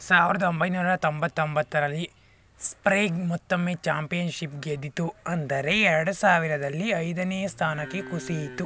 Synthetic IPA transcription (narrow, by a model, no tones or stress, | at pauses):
saːʋiɾɐd̪ɐombɐjnuːɾɐt̪ombɐt̪ːombɐt̪ːɐɾɐlːi | spɾeːɡmɔt̪ːɐmːeːt͡ʃaːmpijɐnʃip̚ɡed̪it̪uɐnd̪ɐɾe̞ɛɾɐɽusaːʋiɾɐd̪ɐlːiɐjd̪ɐneːɐst̪ʰaːnɐkːekusijit̪ːu